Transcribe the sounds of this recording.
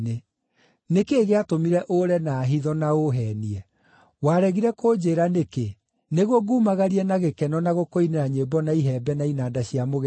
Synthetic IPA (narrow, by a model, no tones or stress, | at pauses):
ne | nekeːɣeatomiɾɛʔoɾɛnaːɦiðɔnaoɦɛːniɛ | waɾɛɣiɾɛkʰod͡ʑeːɾaneke | neɣwɔɡuːmaɣaɾiɛnaɣekɛnɔnaɣokoineɾaɲebɔnaiɦɛːbɛnainaːdaɕiamoɣ